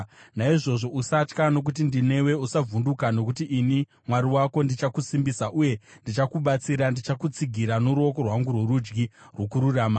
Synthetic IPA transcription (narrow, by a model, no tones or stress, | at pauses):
naiʐo̞ʐo̞ʔusat͡ʃkano̞k̬ut̬indine̞we̞usavʱundukano̞kutiʔːni | mwaɾiwako̞ndit͡ʃakusimbisaʔuje̞ndit͡ʃakuɓat͡siɾandit͡ʃakut͡siɡʱiɾanuɾuo̞ko̞rwaŋɡurwe̞ɾud͡ʒɡirwokuɾurama